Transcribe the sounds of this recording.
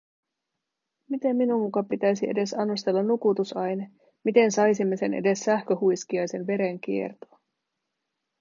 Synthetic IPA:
mit̪e̞mːinumːukɑpit̪æjsie̞de̞sɑnːust̪e̞lːɑnukut̪usɑjne | mit̪e̞nsɑjsimːe̞se̞̰nʔḛde̞sːæhkøhujskiɑjse̞nʋe̞ɾe̞ŋk̟ie̞̰rt̪o̥ː

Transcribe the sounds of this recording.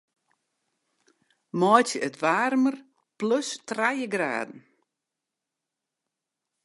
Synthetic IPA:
mɔjtəʔətʋaːrmər | pløstrajəɡra̰ːdn̩

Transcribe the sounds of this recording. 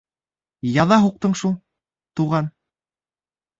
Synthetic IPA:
jɑðɑɦuq̚t̪ɤɴʃulˠ | t̪uʁɑn

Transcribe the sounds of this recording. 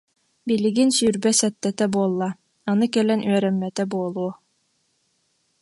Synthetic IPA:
biliɡinsyːɾbɛsɛt̪ːɛt̪ɛbuɔlˠːa | anɯkɛlɛnʔyœɾɛmːɛt̪ɛbuɔlˠuɔ

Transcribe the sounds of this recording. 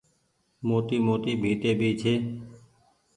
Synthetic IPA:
moːt̪iːmoːt̪iːbʱiːt̪eːbʱiːt͡ʃʰeː

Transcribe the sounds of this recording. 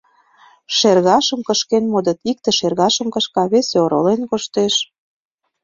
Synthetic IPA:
ʃerɣɑʃə̆mkəʃkenmod̪ə̆t̪ik̚t̪ĕʃerɣɑʃə̆mkɤ̆ʃkɑβesoɾo̰lenkoʃt̪eʃ

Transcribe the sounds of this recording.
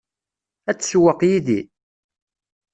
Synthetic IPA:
æt͡sːswəqjiði

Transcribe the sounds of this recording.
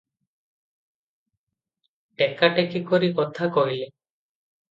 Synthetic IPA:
ʈekaʈekikɔɾikɔt̪ʰakɔɦile

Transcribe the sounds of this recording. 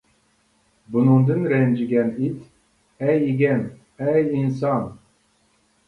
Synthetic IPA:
bunuŋd̪ɨnɾɛnd͡ʒiɡʲɛnit̪ | ɛjiɡʲɛn | ɛjins̬ɑn

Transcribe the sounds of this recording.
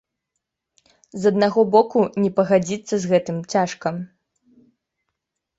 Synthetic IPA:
zɐd̪naɣɔbɔkunʲɛpɐɣad͡zʲit̪sːɐzɣɛt̪ɨmt͡sʲaʂkɐ

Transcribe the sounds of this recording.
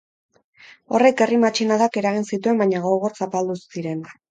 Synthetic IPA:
o̞re̞ke̞rimat͡ʃinaðake̞ɾaɣ̞insit̪ue̞mbaɲaɣo̞ɣoɾsapald̪usiɾe̞n

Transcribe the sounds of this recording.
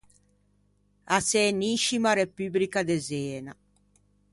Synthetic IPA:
asɛniʃimaɾepyːblikad̪ezɛːna

